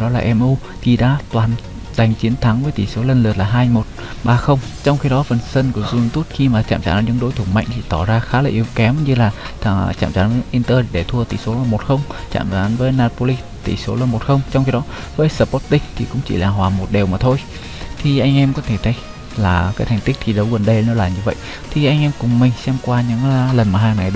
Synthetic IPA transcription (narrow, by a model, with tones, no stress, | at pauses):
ɗɔ˨˦laː˨˩ʔɛ˧mʔu˧ | t̪ʰi˨˩ɗa̰ː˧˥t̪waː˨˩n | za˨˩jŋ̟t͡ɕi˨˦ənt̪ʰa˨˦ŋvəː˨˦jt̪i˧˩so˨˦lə˧nlɨ˨˩ət̚laː˨˩ɦaː˧jmo˨˩t̚ | ɓaː˧xə˧wŋ͡mt͡ɕɔ˧wŋ͡mxi˧ɗɔ˨˦fə˨˩nsə˧nku˧˩əzu˧hɨ˨˩ŋt̪u˦˥t̚xi˧maː˨˩t͡ɕa̰ː˧˩mt͡ɕa̰ː˧˩nɔ˨˦ɗɨ̰˧˦ŋɗo˨˦jt̪ʰu˧˩ŋ͡mma̰˧˨jŋ̟t̪ʰi˧˩t̪ɔ˧˩zaː˧xaː˨˦laː˨˩ʔi˨˦əwkɛ˨˦mɲɨ˧laː˨˩t̪t͡ɕa̰ː˧˩mzaː˨˦nvəː˨˦jʔi˧nt̪əː˧ti˨˩ɗe˧˩t̪ʰu˧ət̪ʰḭ˧˩so˨˦laː˨˩mo˨˩t̚xə˧wŋ͡mt͡ɕa̰ː˧˩˨mzaː˨˦nvəː˨˦jnaː˧t̚po˧li˧ | t̪ḭ˧˩so˨˦laː˨˩mo˨˩t̚xə˧wŋ͡mt͡ɕɔ˧ŋ͡mxi˧ɗɔ˨˦vəː˨˦jsəː˧˩pɔ˦˥t̚t̪ï˧ŋ̟t̪ʰi˨˩kʊ̰˧˥ŋ͡mt͡ɕḭ˧˩laː˨˩ɦwaː˨˩mo˨˩t̚ɗe˨˩wmaː˨˩t̪ʰo˧j | t̪ʰi˨˩ʔa˧jŋ̟ʔɛ˧mkɔ˨˦t̪ʰe˧˩t̪ʰə˨˦j | laː˨˩kaː˨˦jt̪ʰa˨˩ŋ̟t̪ï˦˥k̟̚t̪ʰi˨˩ɗə˨˦wɣə˨˩nɗə˧jnɔ˨˦laː˨˩ɲɨ˧və̰˧˨jʔ | t̪ʰi˨˩ʔa˧jŋ̟ʔɛ˧mkʊ˨˩ŋ͡mmï˨˩ŋ̟sɛ˧mkwaː˧ɲɨ̰˧˥ŋlə˨˩nmaː˨˩ɦaː˧ŋna˨˩jɗ